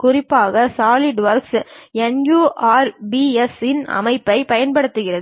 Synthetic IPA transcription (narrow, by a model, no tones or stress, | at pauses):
kʊrɪpːaːɣɐsaːlɪɖʋɐɾksɛnjuːʔaːɾbiɛsɪnɐ̰mɐɪpːɐɪpɐjɐnpɐɽɯt̪ːɯɣɪrɐð